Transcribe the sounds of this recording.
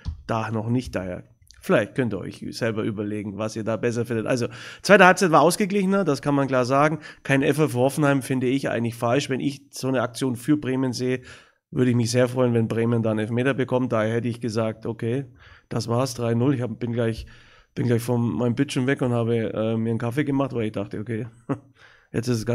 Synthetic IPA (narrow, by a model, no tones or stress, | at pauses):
d̥anɔχnɪçt̚d̥a̰ḛːɐ | fɪlaɪçt̚kʰœntiːɐʔɔ̰ʏçz̥ɛlbɐʔyːbɐleːɡŋ̩vasiːɐdaːbɛs̬ɐfɪndətʔa̰lzot͡sv̥aɪtəhaɪp̚t͡saɪtvaɐʔaʊsɡ̥əɡlɪçənɐdaskʰanmankl̥aːɐzaːɡŋ̩kʰaɪnʔɛfɐfɐɔfn̩haɪmfɪndəɪçʔa̰ɪɡŋ̩tlɪçfalʃvɛnʔɪ̰çz̥oːnəak̚t͡sjoːnfyːɐbʁeːmənzeːə | vʏɐɾəɪçmɪçz̥eːɐfʁ̥ɔʏənvɛnbʁeːməndaːɪnɛlfmeːtɐbəkʰɔmt̚d̥aːhɛtəɪçɡ̥əzaːk̚tʔokʰeːd̥asv̥aːɐsd̥ʁaɪnʊlɪçab̥ɪnɡlaɪç | b̥ɪnɡlaɪçfɔnmaɪnəmbɪtʃomvɛkʊnthaːbəʔɛːmiːɐənkʰafeːɡəmaχtvaɪlɪçd̥aχtəokʰeː | jɛ̰t͡stɪsəsɡ̥a